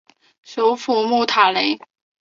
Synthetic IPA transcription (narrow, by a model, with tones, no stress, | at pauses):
ʂo˧˥ʊfu˥˧˩mu˥˩t̪ʰa˨˩le˧˥ɪ